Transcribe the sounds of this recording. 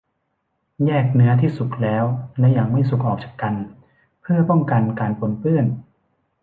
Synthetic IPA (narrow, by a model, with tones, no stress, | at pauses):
jɛː˥˩k̚nɯ˦˥ɐt̪ʰiː˥˩su˨˩k̚lɛː˦˥wlɛ˦˥jaː˨˩ŋma˥˩jsu˨˩k̚ʔɔː˨˩k̚t͡ɕa˨˩kːa˧n | pʰɯ˥˩ɐpɔ˥˩ŋka˧nkaː˧npʰo˧npɯ˥˩ən